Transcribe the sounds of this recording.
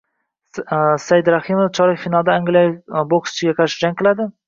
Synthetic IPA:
sajɪd̪ɾahɪmoft͡ʃʰɒɾɪkfinalˠd̪aːŋɡʲlʲajboksɪ̥t͡ʃʰɪɡʲaqʰɑɾʃɪd͡ʒaŋqʰɨlad̪ɪ

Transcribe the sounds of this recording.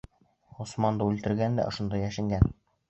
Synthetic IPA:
usmɑnd̪ɤʉlt̪ɘ̆ɾɡænd̪æ̰ʔŏʃŏnd̪ɑjæʃɘ̆ŋɡæn

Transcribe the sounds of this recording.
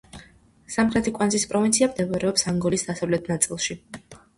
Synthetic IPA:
samχlɛt̪ʰikʼwanzispʼɾɔvint̪sʰiamd̪ɛvaɾɛɔpsaŋɡɔlisd̪asavlɛt̪ʰnat̪sʼilˠʃi

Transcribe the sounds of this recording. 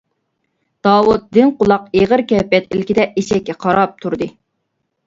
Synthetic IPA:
d̪̥ɑːwut̪̚d̪ɪnqʊlˠɑqeʁəɾkʲɛpːɛt̪ilkʲid̪ɛʔeʃɛkʲːɛqʰɑɾɑp̚t̪ʰuɾd̪ɨ

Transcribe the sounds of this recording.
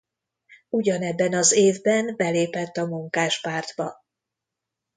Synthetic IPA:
uɟɒnɛbːɛnɒzeːvbɛnbɛleːpɛt̪ːɒmuŋkaːʃpaːrd̪bɒ

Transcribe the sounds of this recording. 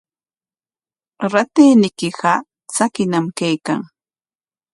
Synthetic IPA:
ɾat̪iːnɪkɪɢɑ | t͡sakɪnamkajka̰ŋ

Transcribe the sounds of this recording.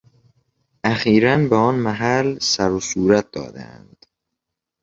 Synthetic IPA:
ʔæxiːɾænbeɒːnmæɦælsæɾosuːɾæt̪̚d̪̥ɒ̰ːd̪æ̰æ̰nd̪̥

